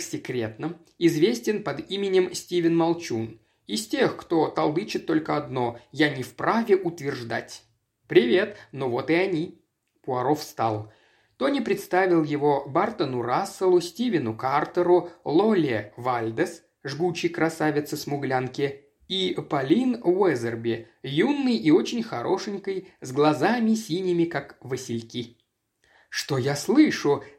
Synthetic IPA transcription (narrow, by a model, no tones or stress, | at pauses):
sʲɪkɾʲe̞t̪nəm | ɪzvʲesʲtʲɪnpɐd̪imʲɪnʲɪmsʲtʲivʲɪnmɐlˠt͡ɕun | ɪsʲtʲexkt̪o̞t̪ɐlˠɨt͡ɕɪt̪ːo̞lʲkəɐd̪no̞janʲɪfpɾavʲɪʔʊt̪vʲɪrʐd̪a̰tʲ | pɾʲɪvʲe̞t̪no̞vo̞t̪ɨɐnʲi | pʊɐɾo̞fst̪alˠ | t̪onʲɪpɾʲɪt̪st̪avʲɪlˠjɪvobart̪ənʊɾasːəlˠʊsʲtʲivʲɪnʊkart̪əɾʊlˠolʲevalʲd̪əs | ʐɡut͡ɕːɪjkɾɐsavʲɪt̪sɨsmʊɡlʲankʲɪ | ipɐlʲinvɛzʲərbʲɪ | junːɨjʔɪo̞t͡ɕɪnʲxɐɾʔo̞ʂɨnʲkəjzɡlˠɐzamʲɪsʲinʲɪmʲɪkakvəsʲɪlʲkʲi | ʂt̪ojaslˠɨʂʊ